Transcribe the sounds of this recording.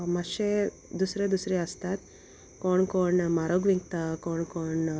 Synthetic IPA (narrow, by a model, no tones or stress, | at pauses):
maɕe | d̪usɾed̪usɾeəst̪at̪ | koɳkoɳmaɾoɡʋiŋɡt̪akoɳkoɳ